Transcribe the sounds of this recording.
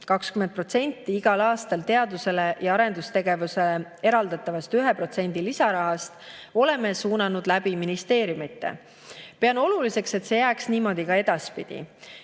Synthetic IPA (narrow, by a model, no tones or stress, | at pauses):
kɑkskymend̪̚pro̞t̪se̞nʲt̪ːˑiiɡ̥ɑlɑːst̪ɑlt̪e̞ɑd̪use̞le̞jɑɑɾe̞nd̪̥ust̪e̞ɡe̞vuse̞lee̞ɾɑld̪ɑt̪ːˑɑvɑst̪yɦe̞pro̞t̪se̞nʲd̪̥ilisɑɾɑɦɑst̪o̞le̞me̞suːnɑnud̪̥læbiminist̪e̞ːɾjumit̪ːˑḛ | peɑno̞lulise̞kse̞t̪se̞jæːksniːmo̞d̪̥ikɑe̞d̪̥ɑspid̪̥ḭ